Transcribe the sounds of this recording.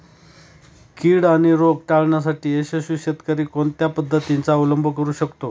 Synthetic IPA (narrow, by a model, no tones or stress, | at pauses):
kiːɽaɽ̃iɾoɡʈaɭɳjasaʈiːeɕəɕuɕet̪kaɾiːkoɳt̪japəd̪ʱːət̪int͡saəwləmbʱəkəɾuːɕəkt̪o